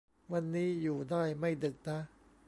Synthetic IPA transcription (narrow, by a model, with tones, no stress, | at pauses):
wa˧nːiː˦˥juː˨˩daː˥˩jma˥˩jdɯ˨˩k̚na˦˥